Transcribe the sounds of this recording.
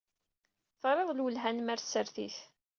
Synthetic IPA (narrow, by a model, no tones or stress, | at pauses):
θʁɾˤeðˤlwəlɦænmæɾθsːəɾθḭθ